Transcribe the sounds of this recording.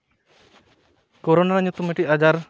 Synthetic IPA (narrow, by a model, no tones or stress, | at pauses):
koɾonaɾaɲut̪umeʈiʔad͡ʒaɾ